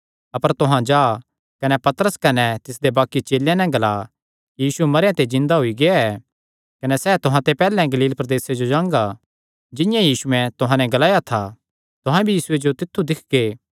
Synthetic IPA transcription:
ɐpəɾt̪ʊɦãd͡ʒaː | kɐnɛpɐt̪əɾəskɐnɛt̪ɪsd̪ebaːkːit͡ʃeːljãnɛ̃ɡɐlaː | jiːsumɐɾjãt̪ed͡ʒɪ̃nd̪aɦʊiɡeaɛː | kɐnɛsɛːt̪ʊɦãt̪epɛːlɛ̃ɡɐliːlpɾɐd̪eːsed͡ʒod͡ʒãːŋɡa | d͡ʒɪ̃jãjiːsuɛ̃t̪ʊɦãnɛ̃ɡɐlaːjat̪ʰa | t̪ʊɦãbʱijiːsʊed͡ʒot̪ɪt̪ʰːud̪ɪkʰɡeː

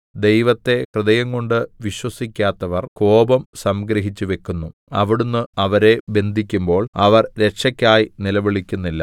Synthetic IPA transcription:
d̪e̞jʋɐt̪ːe̞krɨd̪ɐjɐŋːoɳɖɨʋiɕwɐsikʲːaːt̪ːɐʋɐrko̞ːbɐmsɐmɡɾɐɦit͡ɕːuʋe̞kːunːuɐʋiɽunːɨɐʋɐɾe̞be̞nd̪ʱikʲːumbo̞ːɭɐʋɐrɾe̞kʂɐkʲːaːjinilɐʋiɭikʲːunːilːɐ

